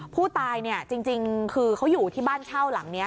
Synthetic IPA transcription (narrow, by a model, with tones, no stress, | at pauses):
pʰuː˥˩t̪aː˧jni˥˩ɐt͡ɕi˧ŋt͡ɕi˧ŋkʰɯː˧kʰa˦˥wjuː˨˩t̪ʰiː˥˩baː˥˩nt͡ɕʰa˥˩wla˨˩˦ŋni˦˥ɐ